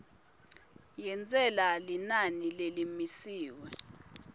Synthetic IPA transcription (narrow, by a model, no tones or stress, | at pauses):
jɛnt͡sʼɛlalinanilelimisiːwɛ